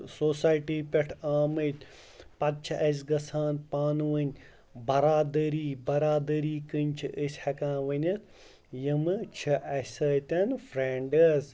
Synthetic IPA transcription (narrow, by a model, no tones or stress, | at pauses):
soːsaːjʈiːpʲɐʈʰaːmɨt̪ʲ | pɐt̪̚t͡ʃʰʔɐs̬ɡɐsʰaːnpaːnuʋɐnʲ | bɐɾaːd̪ɐɾiːbɐɾaːd̪əɾiːkɨnʲt͡ʃʰiʔɨsʲhɐkãːʋɐnʲɐt̪ʰ | jimɨt͡ʃʰɨʔɐsɐːt̪ʲɐnfʰɾeːɳɖəz